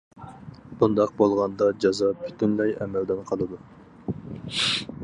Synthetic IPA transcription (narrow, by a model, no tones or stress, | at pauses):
b̥und̪ɑq̚bolˠʁɑnd̪ɑd͡ʒɑzɑpʰy̥t̪ʰynlɛjɛ̰mɛld̪ɛnqʰɑlˠɨd̪u